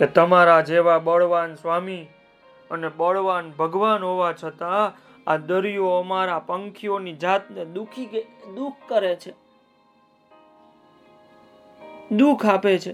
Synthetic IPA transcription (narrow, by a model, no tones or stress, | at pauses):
ket̪əmaɾad͡ʒeʋabəɭʋansʋami | ənebəɭʋanbʱəɡʋanɦoʋat͡ʃʰət̪aː | d̪əɾijoəmaɾapəŋkʰijonid͡ʒat̪ned̪ukʰid̪uk̚ʰkəɾet͡ʃʰe | d̪ukʰapet͡ʃʰe